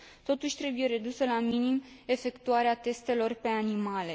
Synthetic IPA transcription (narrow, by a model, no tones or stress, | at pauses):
t̪o̞t̪uʃʲt̪ɾe̞buje̞ɾe̞d̪usəlaminim | e̞fe̞kt̪uaɾeat̪e̞st̪e̞lo̞rpe̞animale